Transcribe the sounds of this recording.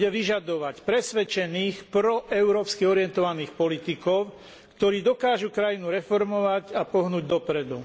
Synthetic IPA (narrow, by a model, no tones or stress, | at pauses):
ɛʋiʒad̪ɔʋacpɾɛsʋɛt͡ʃɛniːxpɾɔʔɛʊɾɔːpskiɔɾɪɛnt̪ɔʋaniːxpɔlit̪ikɔʊ | kt̪ɔɾiːd̪ɔkaːʒukɾajinuɾɛfɔɾmɔʋacapɔɦnuːɟd̪ɔpɾɛd̪u